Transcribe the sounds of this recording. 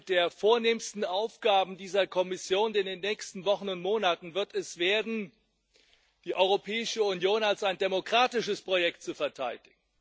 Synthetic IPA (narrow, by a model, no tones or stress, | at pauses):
d̥eːɐfoːɐneːmstn̩aʊfɡ̥aːbm̩diːzɐkʰɔmɪsjoːnɪndeːnːɛːçkstn̩vɔχn̩ʊntmoːnatn̩vɪɐtɛsv̥eːɐdn̩ | d̥iːʔɔʏʁopʰɛːɪʃəunjoːnalsaɪndemokʁ̥aːtɪʃəspʁ̥ojɛk̚tt͡sufɛɐtʰaɪdɪɡ̥ŋ̩